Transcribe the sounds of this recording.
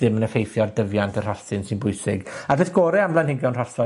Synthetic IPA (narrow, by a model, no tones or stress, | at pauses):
ðɪmənəfejθjɔrdəvjantʰər̥aɨnsɪnbʊɨsɪɡadɪθɡ̥ɔːɾɛamlˠanhɪŋɡjɔwnrasɔ